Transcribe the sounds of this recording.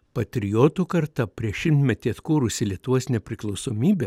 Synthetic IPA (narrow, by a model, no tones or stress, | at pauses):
pɐt̪ʲɾʲɪjoːt̪uːkɐɾt̪ɐpʲɾʲiɛʃʲɪmt̪ʲmʲɛt̪ʲit̪kuːɾʊsʲɪlʲiɛt̪ʊʋuɔsnʲɛpʲɾʲɪklˠɒʊsoːmʲiːbʲeː